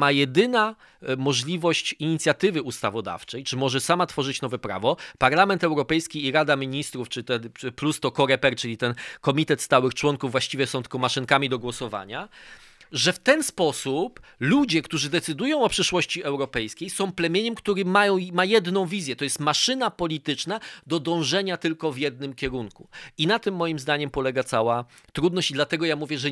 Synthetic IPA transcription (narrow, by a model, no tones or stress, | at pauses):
majɛd̪ɘna | mɔʐlʲivɔɕt͡ɕiɲit̪sʲjat̪ɘvɘust̪avɔd̪a̰ft͡ʂɛjt͡ʂɘmɔʐɛsamat̪fɔʐɘt͡ɕnɔvɛpɾa̰vɔpaɾlamɛnt̪ɛwɾɔpɛjskʲiːɾad̪amʲiɲist̪ɾuft͡ʂɘt̪ɛplust̪ɔkɔɾɛpɛɾt͡ʂɘlʲit̪ɛnkɔmʲit̪ɛt̪st̪awɘxt͡ʂwɔŋkuvːwaɕt͡ɕivʲjɛsɔ̃w̃t̪ɛ̥kɔmaʂɘnkamʲid̪ɔɡwɔsɔva̰ɲa | ʐɛft̪ɛnspɔsuplud͡ʑɛkt̪uʐɘd̪ɛt̪sɘd̪ujɔ̃w̃ɔpʂɘʂwɔɕt͡ɕiɛwɾɔpɛjskʲejsɔ̃w̃plɛmʲjeɲɛmkt̪uɾɘmajɔ̃w̃majɛd̪nɔ̃w̃vʲizʲjɛt̪ɔjɛst̪maʂɘnapɔlʲit̪ɘt͡ʂnad̪ɔd̪ɔ̃w̃ʐɛɲat̪ɘlkɔvjɛd̪̚nɘmkʲɛɾunkuinat̪ɘmːɔjimzd̪aɲɛmpɔlɛɡat̪sawa | t̪ɾud̪nɔɕt͡ɕid̪lat̪ɛɡɔjamuvʲjɛʐɛ